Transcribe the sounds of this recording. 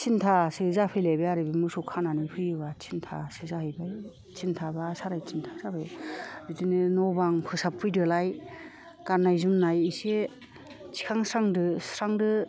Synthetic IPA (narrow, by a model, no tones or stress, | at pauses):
t͡ʃʰintʰasɯzapʰɯjlabeaɾɯbimusukʰananɯpʰɯjɯbat͡ʃʰintʰa̰sɯzahɯjbaj | t͡ʃʰintʰabasaɾajt͡ʃʰintʰasabɯjzitinɯnɔbaŋpʰɯsapʰːɯjdɯlaj | kaɾnajzumnajise | t͡ʃʰi̥kʰaŋsɾaŋdɯsɾaŋdɯ